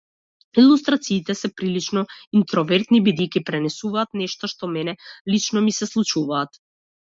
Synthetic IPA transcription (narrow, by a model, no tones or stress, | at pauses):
ilˠust̪ɾat̪siːt̪ɛsɛpɾilit͡ʃnɔint̪ɾɔvɛɾt̪nibid̪ejcipɾɛnɛsuvaːt̪nɛʃt̪ɔʃt̪ɔmɛnɛlit͡ʃnɔmisɛslˠut͡ʃuvaːt̪